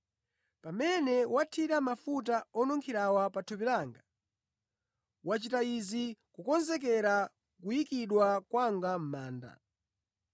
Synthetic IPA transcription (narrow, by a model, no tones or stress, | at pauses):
pamɛnɛwatʰiɾamafutaɔnɔŋkʰiɾawapatʰupilaːŋɡa | wat͡ʃitaizikukɔnzɛk̬ɛɾa | kujikiɗwakwaŋɡam̩maːnda̰